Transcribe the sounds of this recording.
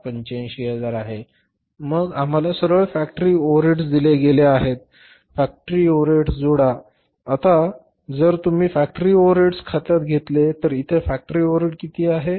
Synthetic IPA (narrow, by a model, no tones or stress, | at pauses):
pəɲt͡ɕẽɕiɦəd͡zaɾaɦe | məɡam̤alasəɾʋəjfæk̚ʈəɾiːoɾeʈsd̪ileɡeleaɦet̪̚ | fæk̚ʈəɾiːoʋɾeʈsd͡zoɽaː | t̪a | d͡zəɾt̪um̤iːfæk̚ʈəɾiːoʋɾeʈskʰat̪at̪ɡʱet̪let̪əɾit̪ʰefæk̚ʈəɾiːoʋɾeʈkit̪ʰiːaɦe